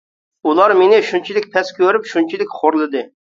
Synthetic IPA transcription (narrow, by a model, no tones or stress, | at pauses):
ulˠɑɾmenɪʃunt͡ʃʰilɪkʲpʰɛskʲʰøɾypʃunt͡ʃʰilɪkʲχoɾlˠɨd̪ɨ